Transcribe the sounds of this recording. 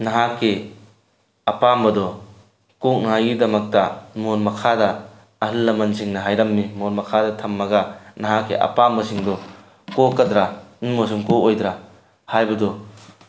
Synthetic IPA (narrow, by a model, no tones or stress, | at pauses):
nɐɦakːe | ɐpambɐdɔ | kok̚nɐɦajɡidɐmɐk̚tɐmonmɐkʰadɐ | ɐɦɯlːɐmɐnsʰiŋnɐɦajɾɐmːimonmɐkʰadɐtʰɐmːɐɡɐnɐɦakːḛʔɐ̰pambɐsiŋdɔ | kokɐdɾanmos̬umkoojdɾa | hajbɐdɔ